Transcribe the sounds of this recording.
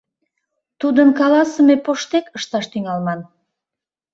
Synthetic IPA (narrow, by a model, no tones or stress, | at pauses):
t̪ud̪əŋkɑlˠɑsəmepoʃt̪ekə̆ʃt̪ɑʃt̪iŋɑlˠmɑn